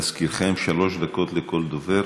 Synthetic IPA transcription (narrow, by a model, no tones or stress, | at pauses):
askiɾχemʃalo̞ʃd̪ako̞t̪leko̞ld̪oveɾ